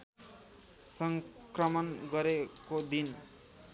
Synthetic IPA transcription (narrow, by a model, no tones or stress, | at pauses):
sʌŋ | krʌmʌnɡʌɾekod̪in